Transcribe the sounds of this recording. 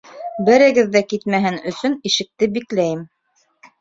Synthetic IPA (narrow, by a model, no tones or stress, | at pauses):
bɘ̆ɾɘ̆ɡɘðːækit̪mæɦɘnɵ̆sɵniʃɘ̆k̚t̪ɘbiklæjɘm